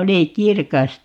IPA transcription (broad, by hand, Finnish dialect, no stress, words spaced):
oli kirkɑs